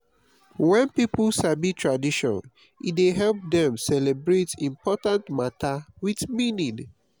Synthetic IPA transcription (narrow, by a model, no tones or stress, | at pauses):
wɛ̃npipulsabitʰɹadiʃɔ̰̃n | ideɦɛlp̚dɛ̃msɛlebɹetĩmpʰɔtãntmatʰawitminĩŋ